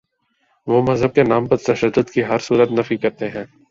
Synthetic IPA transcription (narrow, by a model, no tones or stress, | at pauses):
ʋoːmɐzɦəb̚kenaːmpɐɾt̪ɐʃəd̪ːʊd̪kiɦɐɾsuːɾət̪nɐfikɐɾt̪eɦɛ̃ː